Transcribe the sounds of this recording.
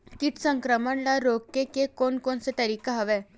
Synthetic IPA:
kiʈ̪səŋkɾəməɳlaɾoɡ̚ːekekonkonset̪əɾiːkaɦəʋɛ

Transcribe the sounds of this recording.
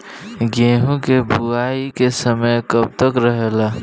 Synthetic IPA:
ɡeːɦũkebʱuaːikesəməjkəb̚t̪əkɾəɦela

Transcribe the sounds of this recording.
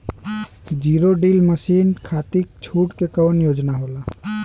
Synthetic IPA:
d͡ʒiɾoɖilməsinkʰat̪ik̚t͡ʃʰuʈkekəwənjod͡ʒnaɦola

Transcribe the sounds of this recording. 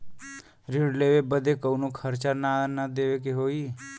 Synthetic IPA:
ɾiɽleʋebəd̪ekəwnũkʰəɾt͡ʃaɾnaənad̪eʋek̬eɦoi

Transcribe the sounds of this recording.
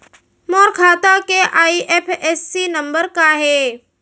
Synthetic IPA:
moːɾkʰaːt̪akeʔaːiʔepʰeːsːinɐ̃mbəɾkaɦeː

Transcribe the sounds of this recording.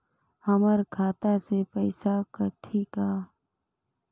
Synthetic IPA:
həməɾkʰaːt̪asepəɪsakəʈʰiːkaː

